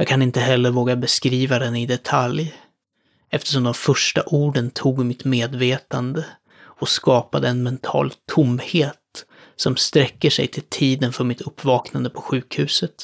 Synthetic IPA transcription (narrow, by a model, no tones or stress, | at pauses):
jɑːɡ̚kʰanɪnt̪əɦɛlːəɾvoːɡabɛskɾiːvad̪ɛnɪd̪ɛt̪ʰalj | ɛft̪ə̥ʂɔmd̪ɔmfœʂʈa̰ʔuːɖənt̪ʰuːɡmɪt̪meːd̪veːt̪and̪ə | ɔskɑːpad̪əɛnmɛnt̪ʰɑ̰ːlt̪ʰʊmːheːt̪ | sɔmst̪ɾɛkːəʂɛ̰jt̪ʰɪlt̪ʰiːd̪ənfœɾmɪt̪ʰɵpːvɑːknand̪əpʰɔɧʉ̟ːkhʉ̟ːsət̪